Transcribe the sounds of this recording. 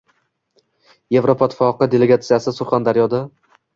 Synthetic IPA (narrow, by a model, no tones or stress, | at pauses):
je̞vɾopʰɒt̪ʰːfɒqɨd̪e̞le̞ɡat̪sijasɪsʊɾχand̪aɾjɒd̪a